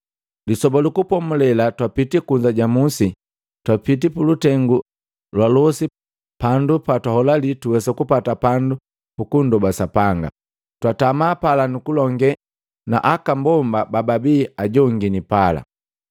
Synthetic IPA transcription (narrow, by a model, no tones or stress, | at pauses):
lisɔbalukupɔmulɛlatwapitikuɲd͡ʒaɟamusi | twapit̬ipulutɛŋɡu | lwalɔsi | pandupatwahɔlalituwɛsakupatapandu | pukundɔbasapaŋɡa̰ | twatamaːpalanukulɔŋɡɛ | na̰ʔakambɔmbabababiːaɟɔŋɡinipala̰